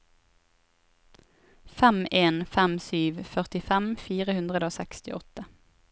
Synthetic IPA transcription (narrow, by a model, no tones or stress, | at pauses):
fɛmeːnfɛmsyːʋfœʁt̪ɪfɛmfiːʁəhʉnd̪ʁəd̪əoːsɛkst̪ɪ̰ʔɔt̪ə